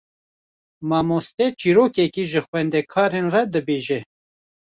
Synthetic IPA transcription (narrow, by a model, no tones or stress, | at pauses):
mɑːmost̪ɛt͡ʃiːɾoːkɛkiʒɨxwɛnd̪ɛkʰɑːɾenrɛd̪ɨbeːʒɛ